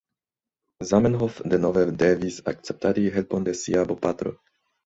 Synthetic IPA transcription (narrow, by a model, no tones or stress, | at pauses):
zamenɦofdenovedevisakt͡sep̚t̪aɾiɦelpondesiabopat̪ɾo̰